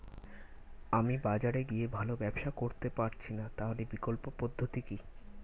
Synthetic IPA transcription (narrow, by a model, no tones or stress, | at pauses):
amibad͡ʑaɾeɡiebʱalobɛbʃakoɾt̪epaɾt͡ɕʰinat̪aɦolebikolpopod̪ʱːot̪iki